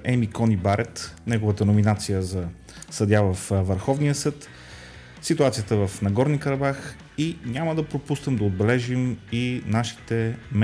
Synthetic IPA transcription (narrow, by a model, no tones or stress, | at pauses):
ɛmikɔnibaɾɛt̪nɛɡovət̪ənominat̪sijəzɐ | səd̪javəfvəɾxɔvnijəsɤt̪ | sit̪uat̪sijət̪əvəfnɐɡɔɾnikəɾɐbax | inʲaməd̪ɐpɾopust̪əmd̪ɐod̪̚bɛlɛʒiminaʃi̥t̪ɛm